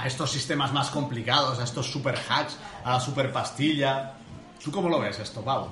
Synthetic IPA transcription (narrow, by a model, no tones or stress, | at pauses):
a̰est̪o̞sːist̪emazmaskomplikað̞osaest̪osːupeɾxat͡ʃalasupeɾpast̪iʎa | t̪ukomoloβesest̪opawu